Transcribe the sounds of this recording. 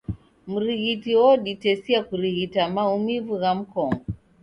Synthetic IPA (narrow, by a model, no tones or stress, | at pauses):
m̩ɾiɣitiwɔɗitɛsiakuɾiɣitamaumivuɣam̩kɔŋɔ